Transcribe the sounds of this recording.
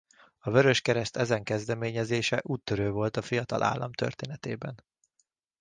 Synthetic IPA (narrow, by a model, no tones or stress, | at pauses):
ɒvøɾøʃkɛɾɛst̪ɛzɛŋkɛzd̪ɛmeːɲɛzeːʃɛʔuːt̪ːøɾøːvo̞lt̪ɒfijɒt̪ɒ̰lʔa̰ːlːɒmt̪ø̰rt̪eːnɛt̪ḛːbɛn